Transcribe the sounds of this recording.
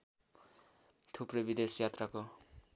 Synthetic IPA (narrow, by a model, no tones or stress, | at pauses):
t̪ʰuprʌjbid̪esjat̪rako